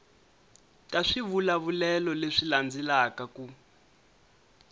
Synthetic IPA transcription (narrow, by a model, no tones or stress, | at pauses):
tʼaʂiβulaβulɛlɔleʂiland͡zilakaku